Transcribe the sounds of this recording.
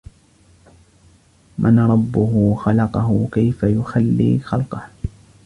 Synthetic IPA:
mʔanɾˤɑbːʊhʊxɑlɑqɑɦʊkajfajʊxalːḭːxɑlqɑh

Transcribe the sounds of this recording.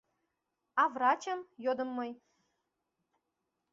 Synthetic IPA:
ɑvrɑt͡ɕə̆mjod̪ə̆mːɤj

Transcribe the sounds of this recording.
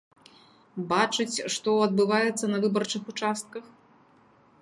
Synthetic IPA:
bat͡ʂɨt͡sʲʂt̪ɔɐd̪̚bɨvajɛt̪sːɐnɐvɨbɐrt͡ʂɨxut͡ʂast̪̚kɐx

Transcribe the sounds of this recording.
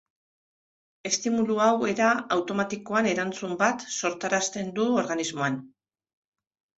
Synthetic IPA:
e̞st̪imuluawe̞ɾaawt̪o̞mat̪iko̞ane̞ɾant͡sumbat̪so̞ɾt̪aɾast̪e̞nd̪uo̞ɾɣanizmo̞an

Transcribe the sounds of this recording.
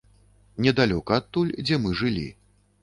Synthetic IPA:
nʲɛd̪alʲɔkɐːt̪ːulʲd͡zʲɛmɨʐɨlʲḭ

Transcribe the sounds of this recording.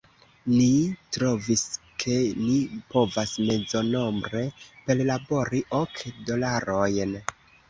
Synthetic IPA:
nitɾo̞viskʰe̞nipo̞vasme̞zo̞no̞mbɾe̞pe̞llabo̞ɾiʔokdo̞laɾo̞jn

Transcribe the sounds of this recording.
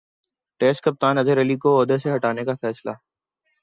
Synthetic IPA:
ʈeːsʈ̚kɐp̚t̪aːnɐzəɾɛlikoɔːd̪eseɦɐʈaːnekafɛːsla̰

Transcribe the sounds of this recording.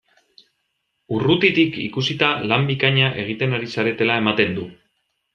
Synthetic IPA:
urut̪it̪ikḭkusit̪alambikaɲaʔe̞ɣ̞it̪e̞naɾisaɾe̞t̪e̞lae̞mat̪e̞nd̪u

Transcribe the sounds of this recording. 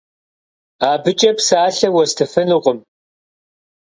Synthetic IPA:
aːbɨt͡ʃʼɐpsaːɬɐwɔstʰɐfɨnɨqʷʼəm

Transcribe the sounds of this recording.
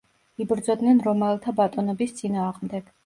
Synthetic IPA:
ibɾd̪zɔd̪nɛnɾɔmɛlˠt̪ʰabat̪ʼɔnɔbist̪sʼinaːʁmd̪ɛɡ̥

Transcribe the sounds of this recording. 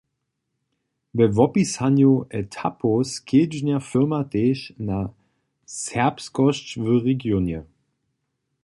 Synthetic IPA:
vəvɔpishanjoʔɛtʰapʰoskʰeːd͡ʒnɛɐfʏɐmadeːʃna | sɛɐpskɔʃt͡ʃvøʁeɡjoːnjə

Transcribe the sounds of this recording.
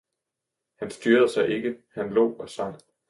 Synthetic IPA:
hænsd̥yːɐð̞̩ˠsɑ̈ɪʔe̝ɡ̥əhænlɔ̰ːɒ̽sɑ̈ŋ̰

